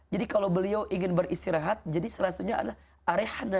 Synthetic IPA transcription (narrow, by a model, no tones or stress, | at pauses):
d͡ʒadikalawbəliawʔiŋɪnbərist̪iɾaɦat̪̚d͡ʒadisəlasat̪uɲaa̰dalah | ʔaɾehna